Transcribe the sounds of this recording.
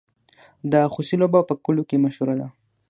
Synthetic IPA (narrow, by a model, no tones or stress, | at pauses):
d̪axusilobapəkʊlokemaʃuɾala̰